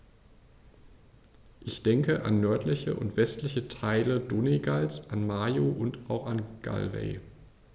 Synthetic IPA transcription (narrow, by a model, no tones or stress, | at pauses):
ʔɪçd̥ɛŋkəʔa̰nːœɐtlɪçə̰ʔʊ̰ntv̥ɛstlɪçətʰaɪlədoneɡalsʔanmaːjoʔʊntaʊxanɡ̥a̰lvḛɪ